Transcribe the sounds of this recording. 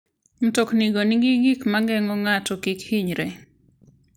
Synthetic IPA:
m̩tokniɡoniɡiɡikmaŋɡɛŋɔŋatɔkikhiɲɾɛ

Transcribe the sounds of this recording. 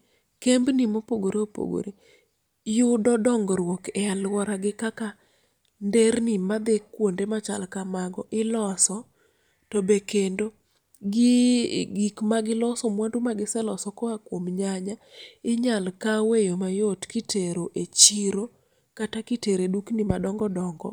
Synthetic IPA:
kembnimopoɡoɾeopo̰ɡo̰ɾe | jʊdɔdɔŋɡɔɾwokɛalwɔɾaɡɪkaka | ndernimad̪ekːwondemat͡ʃa̰lkamaɡɔʔɪlɔsɔ | tɔbekendo | ɡɪɡikmaɡɪlɔsɔmwandumaɡɪsɛlɔsɔkɔakwomɲaɲaɪɲalkawejomajotkɪteɾoʔet͡ʃiɾo | katakɪteɾeduknimadɔŋɡɔdɔŋɡɔ̰

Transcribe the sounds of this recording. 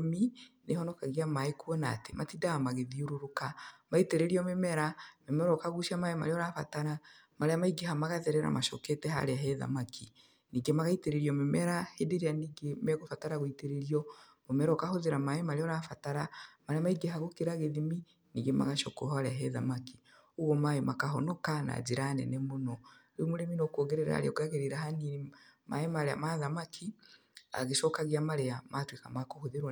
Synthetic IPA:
minehɔnɔkaɣamaekuɔna̰tematidaamaɣeðioɾoɾokamaiteɾeɾiɔmemɛɾamɛmɛɾɔkaɣuʃamaema̰ɾeɔɾafataɾa | maɾeamaiɡeɦamaɣaðɛɾɛɾa̰maʃɔ̰ketɛɦa̰ɾeaɦɛða̰makʰi | niːɡemaɣaiteɾeɾiɔmemɛɾahedeɾeaniːɡemɛɣofataɾaɣoiteɾeɾiɔ | momɛɾɔkahoðeɾamaemaɾeɔɾafataɾamaɾeamaiɡeɦaɣokeɾaɣeðimi | niɡema̰ɣaʃɔkɔhaɾɛɦɛða̰maki̥ | uɣɔmaemakaɦɔnɔkana̰d͡ʒiɾanɛ̰nɛmonɔ | omoɾeminɔkɔːɣɛɾɛɾa̰ɾḛɔɡaɣeɾeɾaɦanima̰emaɾea̰maðamakʰi | a̰ɣeʃɔkaɣeamaɾeamatwekamakohoðeɾw

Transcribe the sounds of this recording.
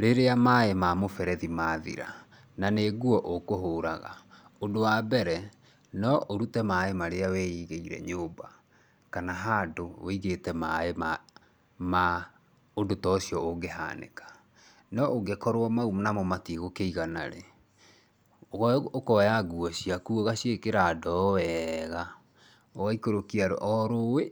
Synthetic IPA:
ɾeɾeamaemamofɛɾɛðimaːðḭɾa̰ | naneɡuɔʔokoɦoːɾaɣa̰ | odowabɛɾɛ | nɔʔoɾutɛmaemaɾeawɛiːɣeiɾɛ̰ɲoːba | kanaɦadoweiɣetɛmaema | ma | odotɔsiɔoɡeɦa̰nḛkḁ | nɔʔoɡekɔɾwamaumonamɔmatiɣokeiɣana̰ɾe | okɔjaɡuɔɕiakuoɣaɕiekeɾadɔwɛɣa | oɣaikoɾokiaɾo̰ʔɔɾowe

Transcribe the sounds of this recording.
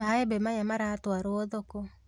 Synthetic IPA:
aebɛmajamaɾatwaɾoɔðoko

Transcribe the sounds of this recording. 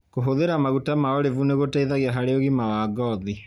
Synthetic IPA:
koɦoðeɾamaɣutamaɔɾevuneɣotɛiðaɣiaɦaɾeoɣimawaɡɔði

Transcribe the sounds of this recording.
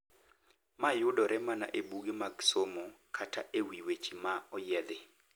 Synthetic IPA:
majʊdɔɾʔɛmana̰ʔebuɡɪmaɡsomokʰatʰaʔewiwet͡ʃimaɔjɛd̪ɪ

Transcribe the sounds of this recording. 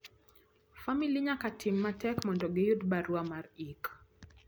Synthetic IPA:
familiɲakatʰimːatɛkmɔndɔɡejudbaɾuamaɾik

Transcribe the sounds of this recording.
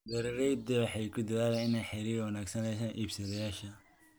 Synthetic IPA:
d̪ɐɾɾɛjd̪ɛwħɑjkʰʊd̪ɐðaːlɛɪnɛjħɛɾiːwɐnaːɡsɐnɛjsaːnʔiːbsɐðɛjaːʃɐ

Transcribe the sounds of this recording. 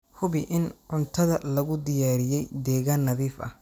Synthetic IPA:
hʊβɪʔɪnʕʊnt̪ʰɐðɐlɐɣʊd̪ɪjaːɾɪjɛjd̪ɛːɣaːnːɐðiːfɐ̰h

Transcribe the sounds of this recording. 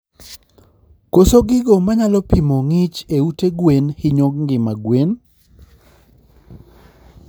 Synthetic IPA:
kosoɡɪɡomaɲalɔpimoŋɪt͡ʃeuteɡwenhɪɲoɡ̚ŋɡɪmaɡwen

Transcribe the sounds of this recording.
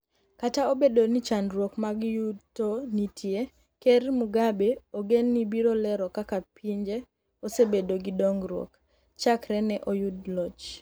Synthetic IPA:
kataobedonit͡ʃandɾwokmaɡjutonitʰje | kermuɡabeoɡenːibiɾolɛɾɔkakapiɲd͡ʒe | osebedoɡɪdoŋɡɾwo̰k | t͡ʃakɾɛnɛʔojudlɔt͡ʃ

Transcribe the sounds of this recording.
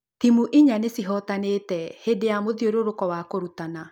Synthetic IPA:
timuʔiɲanesiɦɔtanetɛhedejamoðioɾoɾokɔwakoɾutana

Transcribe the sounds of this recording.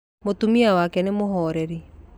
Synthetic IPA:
motumiawakɛnemoɦɔːɾɛɾi

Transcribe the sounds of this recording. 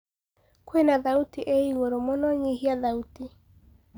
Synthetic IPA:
kwenaðautiʔeiɣoɾomɔnɔɲiɦiaðauti

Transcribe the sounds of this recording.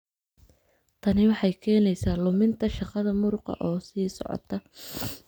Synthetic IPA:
t̪ʰɐnɪwɑħɑjkʰɛːnɛjsaːlʊmɪnt̪ʰɐʃɑqɑðɐmʊɾʊqɑ̰ʔɔːsiːsɔ̰ʕɔ̰t̪ʰɐ

